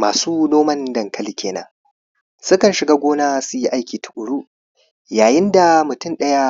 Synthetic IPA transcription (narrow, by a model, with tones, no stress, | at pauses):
maː˨suː˦noː˦mɐ˦ndɐ˨ŋkɐ˦li˦kʲeː˨na̰ː˦ | sʊ˦kɐ˨nʃɪ˨ɡaː˦ɡʷoː˦naː˦sʊ˦ji˦ʔa˦jkʲiː˨tʊ̥˨ʔʷʊ˨ɽuː˦ | jaː˨jɪ˦nda˨mʊ˨tʊ˦nɗɐ˦ja˦